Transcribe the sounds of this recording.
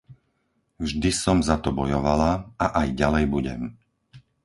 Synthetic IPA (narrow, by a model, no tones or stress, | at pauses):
vʒd̪isɔmzat̪ɔbɔjɔʋalaaʔajɟalɛjbuɟɛm